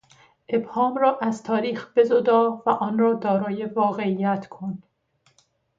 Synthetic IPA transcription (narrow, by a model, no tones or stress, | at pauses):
ʔe̞bhɒːmɾɒːʔæzt̪ʰɒːɾiːxb̥e̞zod̪ɒːvæʔɒːnrɒːd̪ɒːɾɒːje̞vɒːɣe̞ijæt̪kʰon